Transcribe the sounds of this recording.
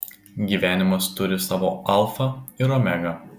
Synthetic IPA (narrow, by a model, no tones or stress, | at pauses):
ɡʲiːʋʲæːnʲɪmɐst̪ʊɾʲɪsɑːʋoːɐlˠfɐɪɾɔːmʲɛɡɐ